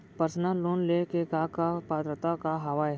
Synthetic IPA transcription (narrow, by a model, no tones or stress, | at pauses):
pəɾsnaloːnlekekakapaːd̪ɾət̪akaɦɐʋaːj